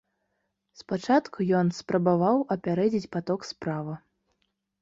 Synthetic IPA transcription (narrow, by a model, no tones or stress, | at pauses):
spat͡ʂat̪kʰujɔnspɾɐbavawɐpʲaɾɛd͡zʲit͡sʲpat̪ɔkspɾavɨ